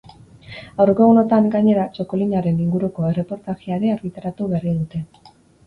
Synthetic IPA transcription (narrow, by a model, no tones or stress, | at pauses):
awɾkoɣuno̞t̪aŋɡaɲe̞ɾat͡ʃo̞ko̞liɲaɾe̞niŋɡuɾuko̞e̞re̞po̞ɾt̪aɣiaɾe̞aɾɣit̪aɾat̪uβeariðut̪e̞